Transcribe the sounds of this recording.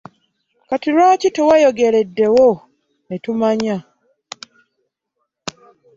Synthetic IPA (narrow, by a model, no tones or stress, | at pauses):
katiɾaːcitewajoɡe̞ɾe̞dːe̞wo | netumaɲa